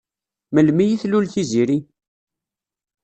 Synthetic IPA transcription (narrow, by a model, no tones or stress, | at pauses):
məlmijiθlulθiziɾi